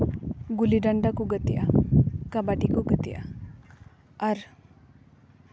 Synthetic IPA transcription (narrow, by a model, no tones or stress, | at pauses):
ɡuliɖaɳɖakuɡət̪ija̰kabaʈikuɡət̪ija̰ | ɐɾ